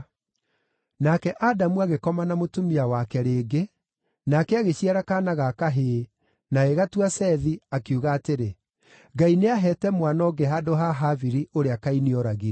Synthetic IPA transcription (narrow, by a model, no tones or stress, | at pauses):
nakɛʔadamuaɣekɔmanamotumiawakɛɾeːɡe | nakɛaɣeɕiaɾakanaɣakaɦeː | naeɣatuasɛðiakeuːɣaːteɾe | ɡaineaɦɛtɛmwanɔːɡɛɦadoɦaɦaviɾiʔoɾeakainiɔɾaɣi